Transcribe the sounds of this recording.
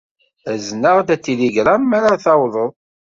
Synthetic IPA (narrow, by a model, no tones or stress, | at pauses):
æznəʁd̪æt̪ːiliɡɾamːæɾaθɑwðˤəðˤ